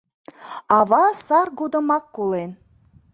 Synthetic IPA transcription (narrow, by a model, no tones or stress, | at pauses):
ɑβɑsɑrɡud̪ə̆mɑkːulen